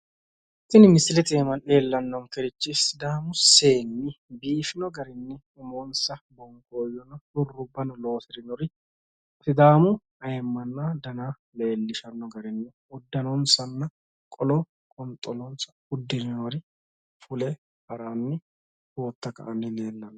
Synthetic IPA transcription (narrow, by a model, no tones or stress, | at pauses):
t̪ːɪnɪmɪsɪlɛt̪ʼeːmɐne̞ːlːɐnːɔŋkɛɾɪt͡ʃːɪsɪd̪aːmʊse̞ːnːɪ | biːfɪnɔɡɐɾɪnːɪ | ɪmoːnsɐbɔŋkoːjɔnɐhʊrːʊbːɐnɐlo̞ːsɪɾɪnɔɾɪ | sɪd̪aːmʊ | ɐjɛmːɐnːad̪ɐna | le̞ːlːɪʃɐnːɔɡɐɾɪnːɪ | ʊd̪ːɐnɔnsɐnːɐ | kʼɔlɔ | kʼɔnt̪ʼɔlɔnsɐ̥ | ʊd̪ːɪɾɪnɔɾɪ | fʊlɛ | hɐɾaːnːɪ | hoːt̪ːɐkɐ̰ʔɐnːɪne̞ːnːɐn